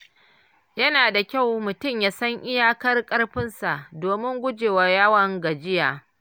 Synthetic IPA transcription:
jɐ˦naː˨da˨kʲa˦˨wmʊ˨tʊ˦˨mjaː˦sɐ˦ŋʔɪ˦jaː˦kɐ˦rkʼɐ˦rɸɪ˦nsa˨ʔdoː˨mɪ˦ŋɡʷʊ˦d͡ʒeː˨wa˨jɐ˦wɐ˨ŋɡa˨d͡ʒɪ˦jaː˨

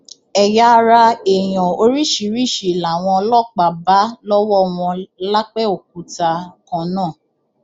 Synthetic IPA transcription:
ɛ˨ja˧ɾa˧e˨j̃ɔ̃˨o˧ɾi˦ʃi˨˦ɾi˦˨ʃi˨la˨w̃ɔ̃˧lɔ˦k͡pa˨ba˨˦lɔ˦wɔ˦w̃ɔ̃˧la˦k͡pɛ˦o˨k̚u˨˦ta˧kã˧˦nãː˦˨

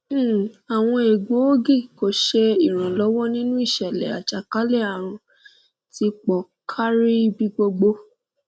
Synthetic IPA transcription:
a˨w̃ɔ̃˧e˨ɡo˨˦o˦ɡi˦˨ko˨˦ʃe˧i˨ɾ̃ã˨lɔ˦wɔ˦nĩ˦nũ˦i˦˨ʃɛ˨lɛ̰˨a̰˨t͡ʃa˨ka˨˦le˦˨a˨ɾ̃ũ˨˧ | ti˧k͡pɔ˨ | kʰa˦ɾi˦bi˧ɡ͡bo˧ɡ͡bo˧

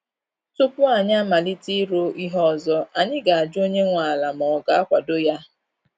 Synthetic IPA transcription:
tʊ˦pʊ˦a˨ɲa˦ma˨li˦ti˦ɾo˦i˦ɦɔ˦˨zɔ˦a˨ɲɪ˦ɡa˨a˨d͡ʒʊ˦o˦ɲe˦ŋʷa˨la˨m̩˨ɔ˨ɡa˨a˦kʷa˨do˦ja˦

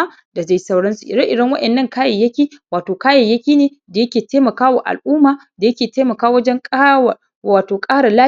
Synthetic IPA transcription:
a˦ | da˨d͡ʒa˦jsɐ˦wɽɐ˦nsu˨ʔɪ̰˨dɐ˦ʔɪ˨dɐ˦ŋwɐ˦ʔɛ˨nːɐ˦˨ŋkaː˦jɐ˨jɐ˦kʲiː˦waː˨toː˨kaː˦jɐ˨jːɐ˦kʲiː˦neː˨ | da˨jɐ˦kʲeː˨teː˦mɐ˨kaː˦wa̰˨ʔa̰˨lʔuː˦maː˨ | da˨jɐ˦kʲeː˨teː˦mɐ˨kaː˦wɐ˦d͡ʒɛ˦ŋkʼː | aː˨toː˨kʼaː˦ɽa˨laː˦

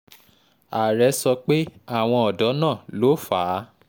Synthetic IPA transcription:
a˨ɾɛ˨˧˦sɔ˧k͡pe˦a˦˨w̃ɔ̃˧ɔ˨dɔ˨˦nãː˦˨lo˨˦faː˨˦

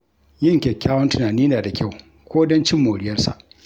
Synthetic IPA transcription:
jɪ˦ŋkʲe˨kʲːaː˦wɐ˦ntʊ˨naː˨niː˦naː˨da˨kʲa˦˨w | kʷoː˦dɔ˦nt͡ʃɪ˦mːoː˨ɽɪ˦jɐ˦rsa̰˨ʔ

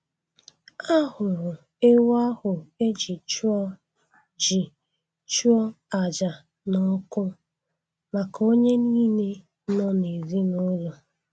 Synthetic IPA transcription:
a˦hʊ˨ɾʊ˨ | e˦wa˦hʊ˨e˦d͡ʒi˨t͡ʃu˦ɔ˦ | d͡ʒi˨ | t͡ʃu˦ɔ˦ | a˨d͡ʒa˨ | nɔ˦kʊ˦ | ma˨ko˦ɲe˦niː˦ne˦ | nɔ˦ne˨zi˦no˦lɔ˨

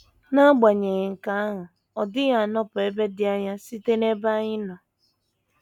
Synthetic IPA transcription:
na˦ɡ͡ba˨ɲe˨ŋ̩˨ka˨a˦ɦʊ˨ | ɔ˨dɪ˦ɣa˨nɔ˦pʊ˨e˦be˦dɪ˦a˦ɲa˦si˦te˦ne˦ba˦ɲɪ˦nɔ˨

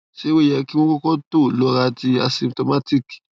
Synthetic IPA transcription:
si˦wu˦˨jɛ˨ki˦ŋu˦ko˦ko˦tu˦˨lo˨˦ka˦tʰi˦a̰˨sĩ˨mtɔ˨ma˦tʰi˦˨ki̥˨

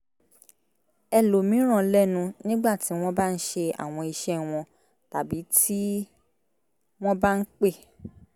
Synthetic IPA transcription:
ɛ˧˨lo˨mĩ˨˦ɾ̃ã˦˨˦lɛ˦˨nũ˧nĩ˦ɡ͡ba˦˨ti˨˦w̃ɔ̃˦ba˦n̩˦ʃe˧a̰˨w̃ɔ̃˧i˧ʃɛ˦w̃ɔ̃˧ | ta˨bi˨˦tʰi˦ | w̃ɔ̃˦ba˦n̩˦k͡pe˦˨

